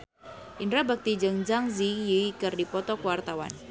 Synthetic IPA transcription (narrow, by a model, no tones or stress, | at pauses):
ʔindɾabak̚t̪id͡ʒəŋd͡ʒaŋzijiikɨrdipɔt̪ɔkəwart̪awa̰n